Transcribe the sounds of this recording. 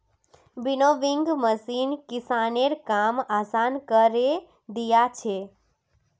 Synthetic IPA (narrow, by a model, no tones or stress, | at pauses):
binoʋiŋɡməsinkisaneɾkamasankəɾe | d̪ijat͡ʃʰe